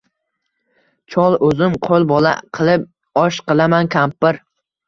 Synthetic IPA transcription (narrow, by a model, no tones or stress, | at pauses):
t͡ʃʰɒlˠɵzɪmqʰolˠbɒlˠa̰qʰɨlˠɪp̚ | ɒʃqɨlˠamankʲʰampːɪɾ